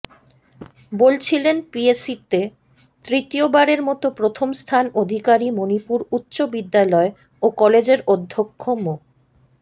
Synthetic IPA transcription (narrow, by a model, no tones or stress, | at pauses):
bolt͡ɕʰilenpiesit̪e | t̪ɾit̪iobaɾeɾmɔt̪opɾot̪ʰomst̪ʰanod̪ʱikaɾimonipuɾutːɕobid̪ːalɔe | okɔled͡ʑeɾod̪ʱːokʰːomo